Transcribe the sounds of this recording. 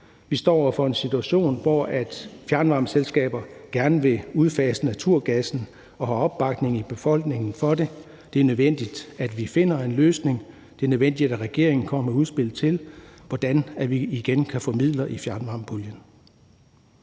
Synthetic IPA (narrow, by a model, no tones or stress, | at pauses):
ʋisd̥ɒ̰ːɒ̰ɐfɒ̽e̝nsit͡sʰuæɕo̝̰ːnʋɒæd̥fjæɐnʋɑ̈mselsɡ̥ɛ̰ːb̥ɐɡ̥æɐnəʋe̝uð̞ˠfɛːsənæt͡sʰuɐ̰ɡ̥æsn̩ | ɒ̽ɦɑ̈ɒ̽b̥ːɑ̈ɡ̥ne̝ŋib̥e̝fɒ̽l̰ɡ̥ne̝ŋn̩fɒ̽de̝ | d̥e̝æɐnøðˠʋen̰d̥id̥æd̥ʋife̝n̰ɐe̝nløːsne̝ŋ | d̥e̝æɐnøðˠen̰d̥id̥ææʁɛɡ̥e̝̰ɐ̰e̝ŋn̩kʰɒ̽m̰əæuðˠsb̥e̝l̰t͡sʰe̝lʋɒd̥ænæʋiːɡ̥enkʰæfɒ̽mið̰ˠlɐʔifjæɐnʋɑ̈ːmpʰuljən